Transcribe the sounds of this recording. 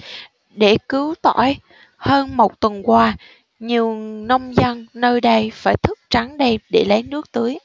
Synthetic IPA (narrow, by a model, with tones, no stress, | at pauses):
ɗe˧˩kɨ˨˦wt̪ɔ˧˩j | həː˧nmo˨˩t̚t̪wə˨˩nkwaː˧ | ɲi˨˩əwnə˧wŋ͡mzə˧nnəː˧jɗə˧jfaː˧˩jt̪ʰɨ˦˥k̚t͡ɕa˨˦nɗə˧jɗe˧˩lə˨˦jnɨ˦˥ək̚t̪ɨ˨˦əj